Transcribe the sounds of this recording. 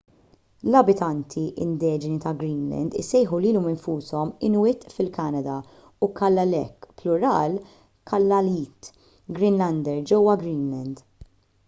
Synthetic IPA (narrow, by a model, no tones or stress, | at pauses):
lɐbɪt̪ɐnt̪ʰiʔɪ̰nd̪ɛːd͡ʒɪnit̪ɐɡɾiːnlɛ̰nd̪ɪ̰sɛjħuliːlɔmɪnfuːsɔmɪnwɪt̪fɪlkɐnɐd̪ɐ | ukɐlːɐlɛkːplʊɾɐːl | kʰɐlːɐliːt̪ | ɡɾɪnlɐnd̪ɛɾd͡ʒɛwːɐɡɾiːnlɛnd̪